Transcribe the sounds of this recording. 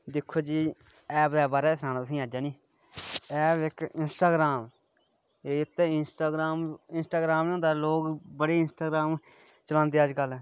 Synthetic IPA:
d̪ɪkʰːoːd͡ʒiː | ɛːpd̪ɛːbaːɾɛːɪsnaːnəsĩːaːd͡ʒaːniː | ɛːbɪkɪnsʈaːɡɾaːm | eːɪt̪ːɪnsʈaːɡɾaːmɪnsʈaːɡɾaːmõːd̪aːloːɡbəɽeːɪnsʈaːɡɾaːm | t͡ʃəlãːnd̪eːad͡ʒɡəlɛː

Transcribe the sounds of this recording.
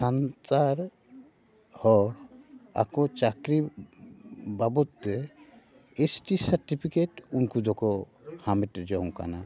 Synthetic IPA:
santaɾ | hɔ | a̰kɔt͡ʃakɾi | babɔt̪ːɛ | esʈisaɾʈipʰikeʈunkud̪ɔkɔ | hamɛʈd͡ʒɔɔ̃ŋka̰na

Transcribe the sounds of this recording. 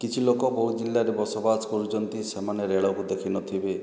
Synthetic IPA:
kit͡ʃʰilokɔboɾd͡ʒilːaɾebɔsɔbaskɔɾut͡ʃɔnt̪isemaneɾeɭɔkud̪ekʰinɔt̪ʰibe

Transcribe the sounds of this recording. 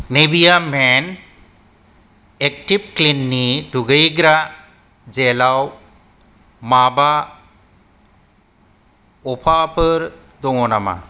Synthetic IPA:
nebijamen | ek̚tib̚klinːiduɡɯjɡɾa | zelaw | maba | ɔpʰapʰɯɾ | dɔŋɔnama̰

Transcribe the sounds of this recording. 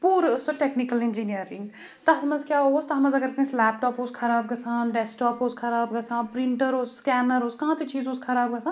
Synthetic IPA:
puːɾsoʈeːknikəlɪ̃nd͡ʒiːnijəɾĩŋɡ | t̪ɐɦmɐzkjaːɦoost̪ɐɦɐmɐzɐɡɐɾkẽslɛːp̚ʈɔːposkʰɐɾaːb̚ɡɐsaːnɖeːsʈɔːpoːskʰɐɾaːbɡɐsãːnpɾiɳʈəɾoːsskɛːnəɾoskɐɦãːt͡ʃʰit͡ʃiːzoskʰɐɾaːb̚ɡɐsaːn

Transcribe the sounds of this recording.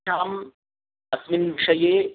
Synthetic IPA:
aːm | ɐsminbʃɐje

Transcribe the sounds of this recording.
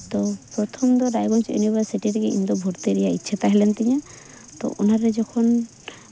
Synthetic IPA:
t̪ɔpɾɔt̪ʰɔmd̪ɔɾajɡɔnt͡ʃḛnibasiʈiɾɛkeḭnd̪ɔbʱuɾt̪eɾɛjaitːt͡ʃʰat̪aɦɛlɛnt̪iɲɛ | t̪ɔ̰ʔunaɾɛd͡ʒɔkʰɔn

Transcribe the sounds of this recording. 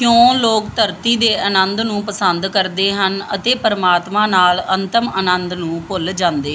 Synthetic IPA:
kjõːloːkt̪əɾt̪iːd̪eːʔənənd̪nũːpəsənd̪kəɾd̪eːɦənə̰t̪eːpəɾmaːt̪mãːnaːlənt̪əmənənd̪nũːpʊld͡ʒãːnd̪eː

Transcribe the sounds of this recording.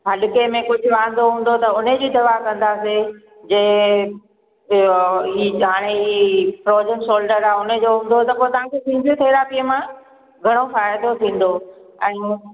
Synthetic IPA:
ɦɐɗɪkemẽkʊd͡ʑʱʊʋaːn̆d̪oɦũːn̆d̪ot̪ɐʊned͡ʑid̪ɐʋaɦkɐ̃nd̪aːse | d͡ʑɐɦ | iɦaːɽ̃eipɾoːd͡ʑəmsoːlɖəɾaːʊnəd͡ʑoɦũːn̆d̪ot̪ɐpoːɪt̪ɐʋ̤ãkʰesʰĩːnd̪ʱjõt̪ʰeːɾaːpijəmã | ɡʱɐɽ̃ofaːɪd̪ot̪ʰĩːn̆d̪oɛ̃ː

